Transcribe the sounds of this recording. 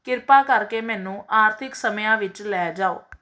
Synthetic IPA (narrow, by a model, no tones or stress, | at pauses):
kɪɾpaːkəɾkeːmɛ̃ːnũːʔaːɾt̪ʰɪksəmjãːʋɪt͡ʃlɛːd͡ʒaːo̰ː